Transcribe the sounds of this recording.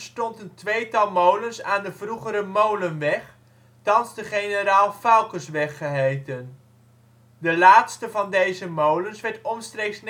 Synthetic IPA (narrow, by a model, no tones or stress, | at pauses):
stɔntəntʋejtɑlˠmowlənsaːndəvruχəɾəmowlənʋɛχ | tɑnzdəχejnəɾaːlˠfawkəsʋɛχəɦejtən | dəlaːtstəvɑndejzəmowlənsʋɛɹtɔnstrejksn